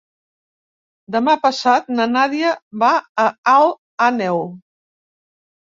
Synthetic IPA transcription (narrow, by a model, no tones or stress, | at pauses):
d̪əmapəsat̪nənaðjəβaːalˠ | anɛw